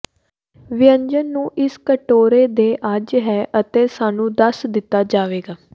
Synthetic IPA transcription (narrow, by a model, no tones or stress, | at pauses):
ʋɪjəɲd͡ʒənːũːʔɪskəʈoːɾeːd̪eːʔad͡ʒɦɛːʔət̪eːsaːnũːd̪əsd̪ɪt̪ːaːd͡ʒaːʋeːɡaː